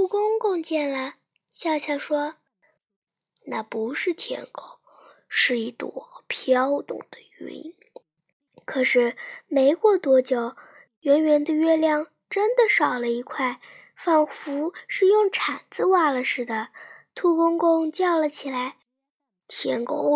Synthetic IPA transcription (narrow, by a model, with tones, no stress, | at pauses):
t̪ʰu˥˧kʊ˥ŋkʊ˥˧ŋt͡ɕjɛ˥˩nlə˩ | ɕjɑ˥˧ʊɕʰjɑ˥˩ʂwɔ˥ | na˥˩pu˧˥ʂɻ̩˥˩t̪ʰjɛ̰˧˥nko˥˩ʊ | ʂɻ̩˥˧i˥˩t̪wɔ̰˨˩pʰjɑ˥ʊt̪ʊ̰˨˩ŋd̪̥ə˦y̰˧˥ḭ˧˥ | kʰɤ˨˩ʂɻ̩˥˩me˧˥ɪkwɔ˥˩t̪wɔ˧˥t͡ɕjo˨˩ʊ | ɥɛ˧˥nɥɛ˧˥nd̪ə˧ɥɛ˥ljɑ˥˩ŋ | ʈ͡ʂə˥nd̪ə˨ʂɑ˨˩ʊlə˦i˧˥kʰwa˥˩˧ɪ | fa˥˩nfu˧˥ʂɻ̩˥˧jʊ˥˩ŋʈ͡ʂʰa˨˩nt͡sɹ̩˥˧wa˥˩lə˨ʂɻ̩˥˩d̪ə˩t̪ʰu˥˧kʊ˥ŋkʊ˥˧ŋt͡ɕjɑ˥˩ʊlə˨t͡ɕʰi˨˩la˧˥ɪ | t̪ʰjɛ˧˥nko˥ʊ